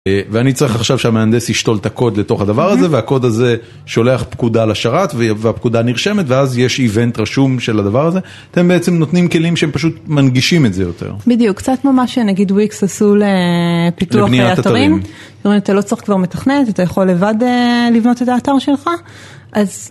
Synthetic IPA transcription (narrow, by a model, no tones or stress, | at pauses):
veanit͡saʁiχaχʃavʃeameand̪eshiʃto̞lt̪ako̞d̪le̞to̞χad̪avaʁaze̞veako̞daze̞ | ʃo̞le̞aχpkudalaʃaʁatveveap̚kud̪aniʁʃe̞metveazjeʃive̞ntʁaʃumʃe̞lad̪avaʁaze̞ | at̪e̞mbeet͡se̞mnot̪nimke̞limʃeempaʃ̬ut̪manɡiʃimetzejo̞t̪ḛʁbid̪ijukːt͡satmamaʃenaɡidwiksasulepit̪uanieaaataʁimm | jomʁimat̪alo̞t͡sʁiχkvaʁme̞t̪aχnetat̪ajaχo̞lːe̞vadelivno̞t̪e̞taːtaʁʃelχa | ʔaz